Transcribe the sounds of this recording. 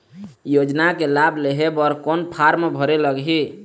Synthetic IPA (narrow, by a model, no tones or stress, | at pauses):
jod͡ʒnakelabʱleɦebɔɾkɔnpʰaɾmebʱəɾeləɡɦi